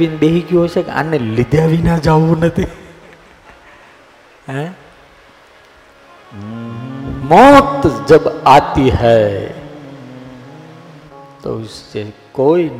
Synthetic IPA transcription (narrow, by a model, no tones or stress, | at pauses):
inbeɦikiɦosekã̰nːelɪd̪ʱjaʋinad͡ʒaʋũnət̪ʰi | ɦɛ | mɔt̪d͡ʒəbat̪iɦɛ | t̪o̰st͡ʃekoin